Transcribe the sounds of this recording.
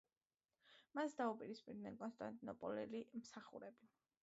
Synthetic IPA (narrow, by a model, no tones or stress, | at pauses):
masd̪aupʼiɾispʼiɾd̪nɛnkʼɔnst̪ʼant̪ʼinɔpʼɔlɛlimsaχṵɾɛbi